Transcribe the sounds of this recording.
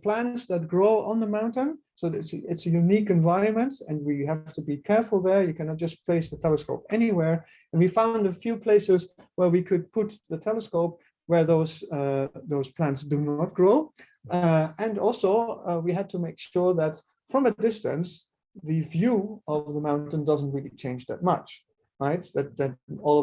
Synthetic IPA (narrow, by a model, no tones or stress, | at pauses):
pʰl̥æ̃ntsðɨt̚ɡ̥ɹoʊʔə̃nðəmãʊ̃ntɨ̃nsoʊɪtsɪtsjʉnikɨ̃ɱvaɪɹɨ̃nmɨ̃ntɨ̃nwiɦæftɨbikʰɛɹfl̩ˠðə˞jɨkʰænɑt̚d̥ʒ̥ʌspʰl̥eɪsðətʰɛlˠəskoʊpɛniwɛɹ | ɨ̃nwifãʊ̃ndɨfjʉpʰl̥eɪsɪz | wə˞wikʰɨd̚pʰʊt̪̚ðɨtʰɛlˠəskoʊp̚ | wə˞ðoʊz | ðoʊz̥pʰl̥æ̃ntsd̥ɨnət̚ɡ̥ɹoʊ | ɨ̃nɔlˠsoʊwiɨd̚tʰəmeɪkʃʊɹðɨt | fɹʌ̃mɨdɪstɨ̰̃ns | ðɨvjuʌvðəmãʊ̃nntə̃ndʌzn̩t̚ɹilˠit͡ʃʰẽɪ̃nd͡ʒðɨ̰t̚mʌt͡ʃ | ɹaɪt̚ðɨt̪̚ðɨɾ̚ɔlˠʌ